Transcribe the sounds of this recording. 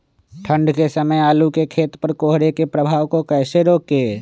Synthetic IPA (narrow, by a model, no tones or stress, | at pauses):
ʈʰə̃ɳɖkesəməjaːlukekʰeːt̪pəɾkoːɦɾekepɾəbʱaːwkokɛːseɾoːkɡeː